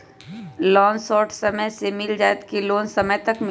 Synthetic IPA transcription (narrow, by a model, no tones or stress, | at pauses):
lɔːnsɔːʈʰsɐməsemɪld͡ʒaːjt̪kiloːnsɐməjt̪ɐkm